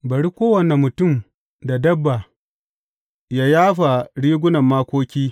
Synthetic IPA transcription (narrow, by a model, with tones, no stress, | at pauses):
bɐ˨ɽi˦kʷoː˦wɐ˨ne˨mʊ˨tʊ˦˨m | da˨dɐ˦bːa˨ | jaː˦jaː˦ɸa˨ɽiː˦ɡʷʊ˦nɐ˨mːaː˦kʷoː˦kʲiː˦